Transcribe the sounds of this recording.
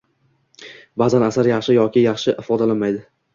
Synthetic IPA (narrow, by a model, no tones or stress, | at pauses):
bazanasaɾjɑχʃɪjɒkʲɪjɑχʃɪʔɪfɒd̪alanmajd̪ɪ